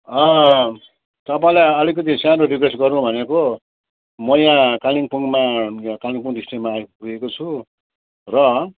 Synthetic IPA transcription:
ʌ̃ | t̪ʌpaĩlajʌlikʌt̪̬isãnoɖipresɡʌɾũbʱʌneko | mʌjãkaliŋpuŋmãkaliŋpuŋdisʈemapuekot͡sʰu | rʌ

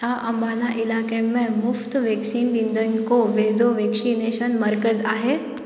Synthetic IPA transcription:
t̪aʔəmbʱanaʔilakẽmemuft̪ʋeksiːnɖind̪ʱəŋkoʋed͡zoʋeksineɕənməɾkəd͡zaɦe

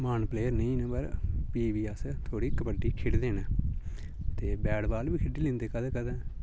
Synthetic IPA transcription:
maːnpleːəɾnəĩːnə̃bəɾpiːʋiːəst̪ʰoːɽiːkəpəɖiːkʰɪɽd̪eːna | t̪eːbɛːɽbaːlbiːkʰɪɖiːlɪ̃nd̪eːkəd̪ːkəd̪ãː

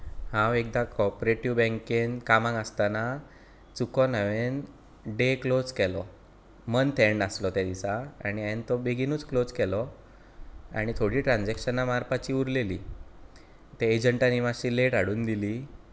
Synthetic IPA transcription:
hãwek̚d̪akɔpɾeʈiʋbɛ̃ŋkenkamãŋɡəst̪ana | t͡sukɔnəʋen | ɖeklod͡zkɛlɔ | mənt̪ʰɛɳɖaslɔt̪jad̪isaaɽ̃iɛnt̪ɔbeɡinuːt͡sklod͡zkɛlɔ | a̰ɽ̃it̪ʰoɽiːʈɾãnd͡zɛkɕənamaɾpat͡ɕiːuɾleliː | t̪eed͡ʑəɳʈaniʋaɕiːleʈaɽuːnd̪iliː

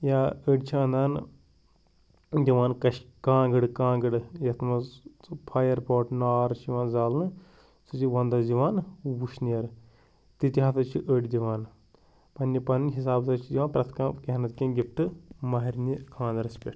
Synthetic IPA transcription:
jaːəɖʲt͡ʃʰiɐ̃nd̪aːn | d̪ʲiʋaːnkɐʃkãːɡɨɽkãːɡɨɖjɐt̪ʰmɐpʰaːjɐɾpoːʈnaːɾt͡ʃʰiʋãːnzaːlnɨ | sɨt͡ʃiʋɐ̃nd̪ɐd͡ʒiʋaːnwuʃniɐɾ | t̪it̪iɦaːt̪ɐt͡ʃʰiʔəɖʲd̪iʋaːn | pɐnʲːipɐnɦis̬aːbt̪ɐt͡ʃʰid͡ʒ̪ʲiʋaːnpɾɐt̪ʰkãːkeɦnɐt̪kʲẽːɡʲip̚ʰʈɨmɐɦiɾʲnikʰãːnd̪ɐɾɐsʲpʲeʈ

